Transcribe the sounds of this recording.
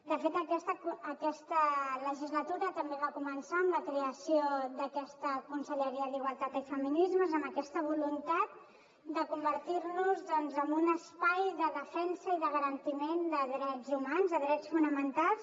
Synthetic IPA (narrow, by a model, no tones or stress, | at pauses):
d̪əfet̪əkɛst̪əəkɛst̪ələʒizlət̪uɾət̪əmbeβakumənsaəmləkɾeəsioðəkɛst̪əkunsəʎəɾiəðiɣwəlˠt̪at̪ifəminizməzəmbəkɛst̪əβ̞ulunt̪at̪̚ | d̪əkumbəɾt̪iɾnuzðɔnzəmbunəspajðəðəfɛnsəiðəɣəɾənt̪imend̪əðɾɛzumanzðəðɾɛt͡sfunəmənt̪alˠs